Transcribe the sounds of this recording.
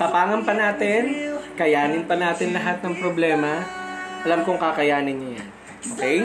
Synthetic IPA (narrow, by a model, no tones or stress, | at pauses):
pɐpaːŋɐnpɐnaːt̪ɪnkɐjaːnɪnpɐnaːt̪ɪnlɐɦat̪̚nɐŋpɾoblɛːmɐʔɐlamkoŋkakɐjaːnɪnːɐja̰n | okɛj